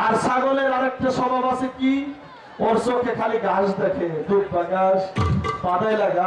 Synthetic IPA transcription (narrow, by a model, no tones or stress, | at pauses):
aɾsaɡoleɾaɾek̚ʈaʃɔbʱabaseki | oɾsokʰekʰaliɡaʃd̪ekʰed̪ukbaɡaʃbad̪ajlaɡa